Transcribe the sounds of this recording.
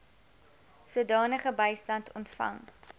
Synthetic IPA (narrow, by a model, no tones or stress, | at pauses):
suədɑːnəχəbəjstɐntʰɔntfɐ̰ŋ